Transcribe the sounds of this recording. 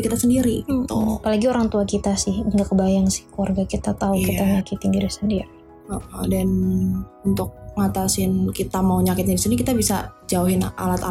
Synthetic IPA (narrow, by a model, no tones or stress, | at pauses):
kit̪asəndiɾit̪ʊ̰apalaɡioɾaŋt̪uakit̪asɪhəŋɡakəbajaŋsɪ̥hkuarɡakit̪at̪aukit̪aɲakɪt̪indiɾisəndiɾi | aʔadanunt̪ʊk̚ŋat̪asɪnkit̪amauɲakɪt̪̚ɲadisinikit̪abisad͡ʒauɦɪna̰lat̪a